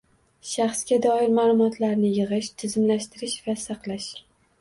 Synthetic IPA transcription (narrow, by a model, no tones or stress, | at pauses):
ʃaχsɡʲad̪ɒɪɾmaːlˠʊmɒt̪ʰlaɾnɪjɨʁɨʃt̪ʰɪzɪmlaʃt̪ɪɾɪʃvasɑqlaʃ